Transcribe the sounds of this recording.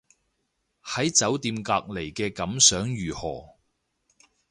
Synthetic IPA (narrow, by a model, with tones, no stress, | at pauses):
hɐ˨˥jt͡sɐ˨˥wt̪iː˧mkaː˧k̚le˨˩jkɛː˧kɐ˨˥msœː˨˥ŋjyː˨˩hɔː˨˩